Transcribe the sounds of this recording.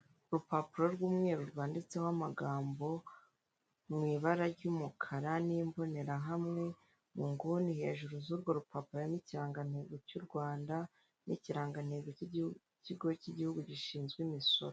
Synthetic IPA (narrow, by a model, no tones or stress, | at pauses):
ɾupapuɾo̞ɾɡwuːmŋe̞ːɾuɾɡwaːndit͡se̞hwamaɡaːmbo̞ | mŋiːβaɾaɾɟuːmukʰaɾanimbo̞ne̞ɾaɦamŋe̞ | muŋɡunihe̞ːʒuɾuzuɾɡoɾupapuɾojaniciɾaːŋɡan̥he̞ːɡo̞cuɾɡwaːnda | nʔiciɾaːŋɡan̥heːɡo | ciɡociɟihuɡuɟiʃiːnzɡwimiso̞̰ɾo